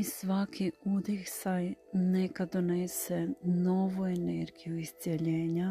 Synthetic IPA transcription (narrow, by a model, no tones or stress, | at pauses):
isʋakʰiud̪isajnekad̪onesɛnoːʋueneɾɡijuist̪sʲjeʎeːɲa